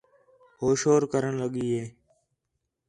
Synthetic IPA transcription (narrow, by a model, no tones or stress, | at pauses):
hoːʃoːɾkəɾəɳləɠiːɦeː